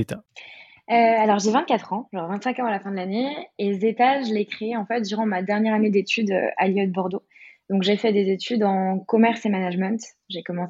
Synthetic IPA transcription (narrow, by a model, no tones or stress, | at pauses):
t̪ | øalɔʁʒevɛ̃t̪̚kʲat̪χɑ̃ʒɑ̃ʁvɛ̃t̪sɛ̃kɑ̃alafɛ̃d̪əlaneezet̪aʒəlekχeːɑ̃fɛt̪̚d̪yʁɑ̃mad̪ɛʁnjɛʁaned̪et̪yd̪ø̰a̰ljɔd̪̚bɔʁd̪o | d̪ɔ̃kʒefɛd̪ezet̪ʰyd̪ɑ̃kɔmɛʁsemanaʒmɛ̃t̪ | ʒekɔmɑ̃s